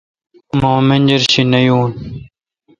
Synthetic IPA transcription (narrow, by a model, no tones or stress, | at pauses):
mãːmenʲd͡ʑɐɾɕinɐjuːn